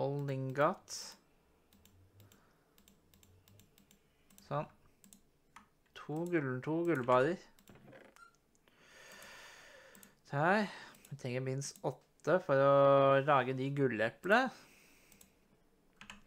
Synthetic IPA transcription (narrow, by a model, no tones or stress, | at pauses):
ɔlnɪŋɡɑt̪ | sɔn | t̪ʰuːɡʉlnʈ̪ʰuːɡʉlbɑːɾəɾ | kʰæɪmɛt̪ʰɾɛŋːəɾmɪnsɔt̪ːəfɔɾɔlɑːɡəd̪ɪɡʉlːɛplə